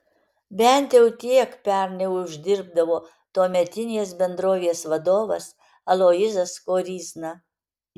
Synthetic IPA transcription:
bʲɛnʲt̪ʲjɛʊt̪ʲiɛkpʲɛɾnʲɛʊʒʲd̪ʲɪɾb̚d̪ɐʋoː | t̪oɔmʲɛt̪ʲɪnʲeːsbʲɛnd̪ɾoːʋʲeɛsʋɐd̪oːʋɐs | ɐlˠoːjɪzɐskoːɾʲiːznɐ

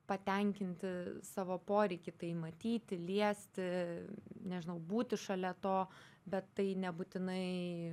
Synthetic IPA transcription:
pɐt̪ʲɛŋʲkʲɪnʲt̪ʲɪsɑːʋoːpoːɾʲɛɪkʲɪt̪ɐɪmɐt̪ʲiːt̪ʲɪlʲiɛsʲt̪ʲɪ | nʲɛʒʲɪnɐʊbuːt̪ʲɪʃɐlʲɛt̪oː | bʲɛt̪ːɐɪnʲɛbuːt̪ʲɪnɐɪ

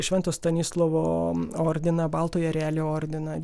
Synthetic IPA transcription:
ʃʲʋʲɛnt̪oːst̪ɐnʲiːslˠoʋoːoːɾʲd̪ʲɪnɐbɑːlˠt̪oːjɛɾʲæːlʲoːoːɾʲd̪ʲɪnɐ

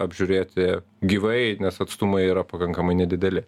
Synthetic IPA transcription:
ɐbʲʒʲʊɾʲeːt̪ʲɪ | ɡʲiːʋɐɪnʲɛsɐt̪st̪ʊmɐɪiːɾɐpɐkɐŋkɐmɐɪnʲɛd̪ʲɪd̪ʲɛlʲɪ

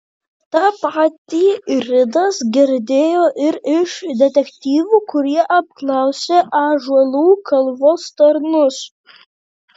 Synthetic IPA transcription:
t̪ɑːpɑːt̪ʲiːɾʲɪd̪ɐsɡʲɪɾʲd̪ʲeːjoːʔɪɾɪʃd̪ʲɛt̪ʲɛkt̪ʲiːʋuːkʊɾʲiɛʔɐp̚klˠɑˑʊsʲeʔɑːʒuɔlˠuːkʰɐlˠʋoːst̪ɐɾnʊs

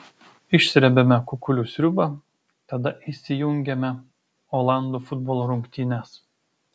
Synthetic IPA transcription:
ɪʃʲsʲɾʲɛbʲɛmʲɛkʊkʊlʲʊːsʲɾʲʊbɐ | t̪ɐd̪ɐʔisʲɪjʊŋʲɡʲɛmʲɛ | ɔːlˠɑnd̪uːfʊd̪̚bɔːlˠoɾʊŋʲkt̪ʲiːnʲɛs

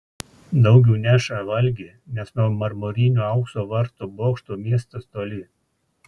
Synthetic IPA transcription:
d̪ɒʊɡʲɛʊnʲæʃɐʋɐlʲɡʲeː | nʲɛsnuɔmɐɾmoːɾʲɪːnʲuːɐʊksoːʋɐɾt̪oːboːkʃt̪oːmʲiɛst̪ɐst̪oːlʲɪ

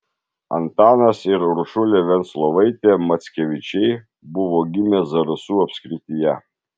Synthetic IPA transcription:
ɐ̰nt̪ɑːnɐsɪɾɾʊʃʊlʲeʋʲɛnt̪slˠɔʋɐɪt̪ʲeːmɐt̪sʲkʲɛʋʲɪt͡ʃʲɛɪ | bʊʋoːɡʲɪmʲɛzɐɾɐsuːɐpʲsʲkɾʲɪt̪ʲɪjɛ

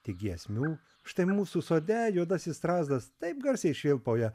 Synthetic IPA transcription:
t̪ʲɪɡʲiɛsʲmʲuː | ʃt̪ɐɪmuːsuːsoːd̪ʲɛjuɔd̪ɐsʲɪst̪ɾɑːzd̪ɐst̪ɐɪp̚ɡɐɾʲsʲɛɪʃʲʋʲɪlˠpoːjɛ

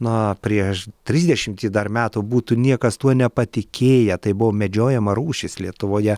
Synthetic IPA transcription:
nʊpʲɾʲiɛʃt̪ʲɾʲiːzʲd̪ʲɛʃʲɪmʲt̪ʲiːd̪ɐrmʲæːt̪ʊbuːt̪ʊnʲiɛkɐst̪uɔnʲɛpɐt̪ʲɪkʲeːjɛt̪ɐɪbʊʋomʲɛd͡ʒʲoːjɛmɐɾuːʃʲɪslʲiɛt̪ʊʋoːjɛ

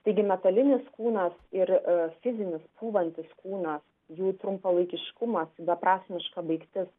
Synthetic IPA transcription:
t̪ɐɪɡʲɪmʲɛt̪ɐlʲɪnʲɪskuːnɐsɪrfʲɪzʲɪnʲɪspʰuːʋɐnʲt̪ʲɪskuːnɐs | juːt̪ɾʊmpɐlˠɐɪkʲɪʃkʊmɐsbɐpɾɑːsʲmʲɪʃkɐbɐɪkt̪ʲɪs

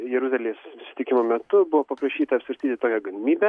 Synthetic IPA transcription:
jɛɾʊzɑlʲjesssʲɪt̪ʲɪkʲɪmoːmʲɛt̪ʊbʊʋoːpɐpɾɐʃʲiːt̪ɐːɐpʲsʲʋʲɐɾʲst̪iːt̪ʲɪt̪oːkʲɛɡɐlʲɪmʲiːbʲɛ

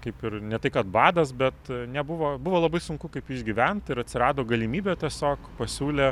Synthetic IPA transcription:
kɐɪpɪɾnʲɛt̪ɐɪkɐt̪bɑːd̪ɐsbʲɛt̪nʲɛbʊʋoːbʊʋoːlˠɐbɐɪsʊŋkʊkɐɪpɪʒʲɡʲiʋʲɛnt̪ɪɾɐt̪ʲsʲɪɾɑːd̪oːɡɐlʲɪmʲiːbʲeːt̪ʲiɛsʲoːkpɐsʲuːlʲeː

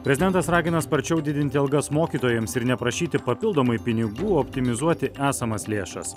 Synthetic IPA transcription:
pʲɾʲɛzʲɪd̪ʲɛnt̪ɐsɾɑːɡʲɪnɐspɐɾʲt͡ʃʲɛʊd̪ʲɪd̪ʲɪnʲt̪ʲɪɐlˠɡɐsmoːkʲiːt̪oːjɛmsɪɾnʲɛpɾɐʃʲiːt̪ʲɪpɐpʲɪlˠd̪oːmɐɪpʲɪnʲɪɡuːɔpʲt̪ʲɪmʲɪzuɔt̪ʲɪʔæːsɐmɐslʲeːʃɐ̰s

